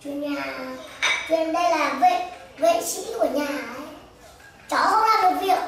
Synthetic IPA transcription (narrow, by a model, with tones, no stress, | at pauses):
t͡ɕwi˧nɲaː˨˩ | t͡ɕwi˧˩ənɗə˧jlaː˨˩ve˧ze˧˦nt͡ɕḭ˧˥˦ku˧˩əɲaː˨˩˨ʔə˨˦j | t͡ɕɔ˧˦ə˧˦wlaː˨˩mo˨˩t̚vi˨˩ək̚